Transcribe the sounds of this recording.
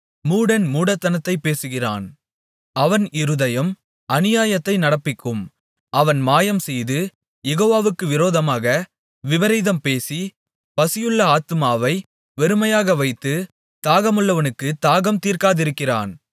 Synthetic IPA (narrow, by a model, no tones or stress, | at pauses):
muːɽɐnmuːɽɐt̪ːɐnɐt̪ːɐɪpːeːsɯɣɪra̰ːn | ɐʋɐnɪɾɯðɐjɐm | ʔɐnɪjaːjɐt̪ːɐɪnɐɽɐpːɪkːɯm | ʔɐʋɐnmaːjɐmsɛjðɯ | jɛɣoːʋaːʋɯkːɯʋɪɾoːðɐmaːɣɐ | ʋɪʋɐɾɐːðɐmpeːsi | pɐsɪjɯɭːɐaːt̪ɯmaːʋɐɪ | ʋɛɾɯmɐjaːɣɐʋɐɪt̪ːɯ | t̪aːɣɐmɯɭːɐʋɐnɯkːɯt̪aːɣɐmt̪iːrkaːðɪɾɯkːɪra̰ːn